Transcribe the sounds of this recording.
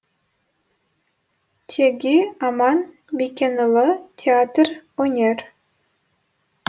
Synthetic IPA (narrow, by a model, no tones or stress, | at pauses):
tʲʰeɡʲiɑmɑn | mʲikʲenɤlˠɤtʲʰeat̪ronʲerʲ